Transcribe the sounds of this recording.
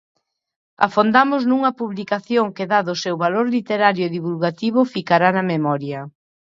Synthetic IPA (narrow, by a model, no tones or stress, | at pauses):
a̰fond̪amʊznuŋɐpuβlikaθjoŋkeðaðʊsewβaloɾlit̪eɾaɾjʊeðiβulɣat̪iβ̞ʊfikaɾanɐmemɔɾjɐ